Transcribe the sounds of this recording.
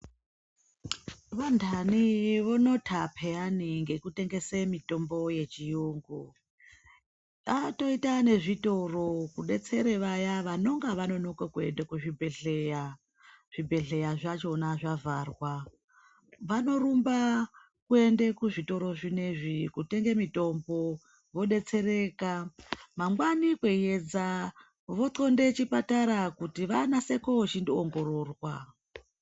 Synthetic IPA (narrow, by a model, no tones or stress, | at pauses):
ʋandʱaniʋono̞tʰapʰe̞janiŋɡe̞kute̞ŋɡe̞semito̞mbo̞je̞t͡ʃijuːŋɡu | ato̞itane̞ʐito̞ro̞kuɗe̞t͡se̞ɾeʋajaʋano̞ŋɡaʋano̞nokakue̞ndekuʐibʱeɮeja | ʐ̥ibʱe̞ɮe̞jaʐat͡ʃo̞naʐavʱarwa | ʋano̞ɾumba | kue̞ndekuʐito̞ɾo̞ʐine̞ʐikute̞ŋɡemito̞mbo̞ | ʋo̞ɗe̞t͡se̞ɾe̞ːkamaŋɡwanikwejed͡za | ʋo̞to̞nde̞t͡ʃipataɾakutiʋanase̞koot͡ʃindioŋɡo̞ɾo̞rwa